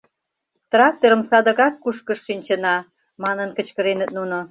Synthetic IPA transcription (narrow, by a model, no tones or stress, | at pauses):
t̪rɑk̚t̪eɾə̆msɑd̪ə̆ɣɑkːuʃkəʃːinʲt͡ɕə̆nɑ | mɑnənkə̆t͡ɕkə̆ɾenə̆t̪̚nuno